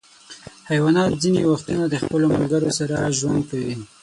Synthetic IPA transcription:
hajwɑnɑt̪zinewaxt̪unad̪əxpəlomalɡəɾosaɾaʒwand̪̚kawi

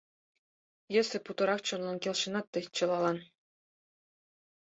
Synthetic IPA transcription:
jɘ̆sʲɘ̆put̪ɤ̆ɾɑχt͡ɕŏnlˠɑnkʲelʲˠɕɤ̆nɑt̪ːɤ̆t͡ɕɤ̆lˠɑlˠɑn

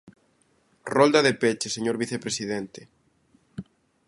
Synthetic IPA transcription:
rold̪ɐðepet͡ʃeseɲoɾβiθepɾesiðent̪e

